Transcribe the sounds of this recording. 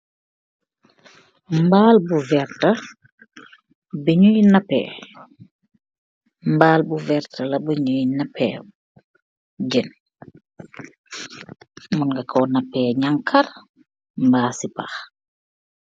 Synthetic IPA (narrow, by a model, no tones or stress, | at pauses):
mbaːlbuvɛɾtɐ | bəɲujnɐpːɛ̰ː | mbaːlbuvɛɾtʰɐlɐbəɲujnɐpːɛː | ɟɛn | mɔnŋɡɐkʰɔnapːɛːɲaŋkʰɐr | mbaːsipa̰x